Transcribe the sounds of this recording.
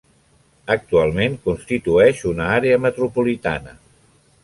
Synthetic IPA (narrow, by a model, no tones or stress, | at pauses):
ək̚t̪ualˠmeŋkunst̪it̪uɛʃunəaɾeəmət̪ɾupulit̪a̰nə